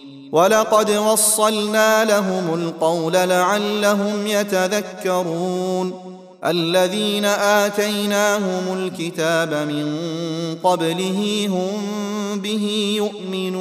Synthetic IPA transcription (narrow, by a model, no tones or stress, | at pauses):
wɑlɑqɑd̪wɑsˤːɑlnaːlaɦʊmʊlqɑwlalaʕalːaɦʊmjat̪aðakːɑɾˤuːn | ʔalːaðiːnaʔaːt̪ajnaːɦʊmʊlkɪt̪aːbamɪnqɑblɪɦɪɦʊmbɪɦɪːjʊʔmɪnuː